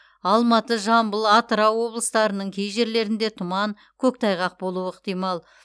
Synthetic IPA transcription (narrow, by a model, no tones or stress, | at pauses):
ɑlˠmɑt̪əʒɑmbəlˠɑt̪əɾɑwwo̞blˠəst̪ɑɾənəɴkʲʰejʒe̞ɾle̞ɾɪnd̪e̞t̪ʰʊmɑŋ | kʲʰɵk̚t̪ʰɑjʁɑq̚bo̞lˠuɪqt̪ijmɑlˠ